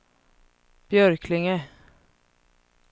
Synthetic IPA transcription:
b̥jœɾkʰlɪŋə

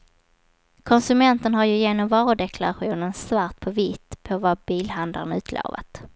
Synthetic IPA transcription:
kʰɔnsɵmɛnt̪ənɦaɾjɵjeːnɔmvɑːɾʊd̪ɛkʰlaɾaɧuːnənsvaɾʈ̪̚pʰɔvɪt̪ːpʰɔvabiːlɦand̪a̰ɾənʉ̟ːt̪ʰlo̰ːva̰t̪

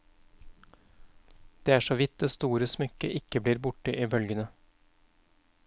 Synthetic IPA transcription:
d̪̥eːæːʂoːʋɪt̪̚d̪eːst̪uːɾəsmʏkəʔɪkəbliːɾbʊʈəʔiːbœlɡənə

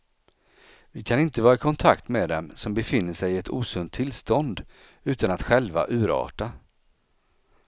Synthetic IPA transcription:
vɪkʰanɪnt̪əvɑːɾaɪkʰɔnt̪ʰakt̪meːd̪ɛmsɔmbɛfɪnːəʂɛjɪɛt̪ṵːsɵnt̪ʰːɪlst̪ɔnd̪ | ʉ̟ːt̪anat̪ɧɛlva̰ʔʉ̟ːɾɑ̰ːʈa

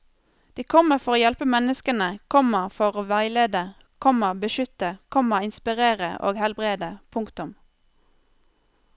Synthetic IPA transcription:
d̪̥iːkʰɔməʁfɔʁoːjɛlpəmɛnəskənəkʰɔməʁfɔʁoːʋæɪleːd̪ə | kʰɔməʁbəʃʏt̪əkʰɔməɪnspɪʁeːʁə̰ʔo̰ːɡhɛlbʁeːd̪əpʰʊŋkt̪ʉm

